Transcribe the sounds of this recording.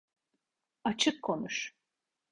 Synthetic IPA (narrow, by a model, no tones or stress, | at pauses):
at͡ʃʰɯkʰːo̞nuʃ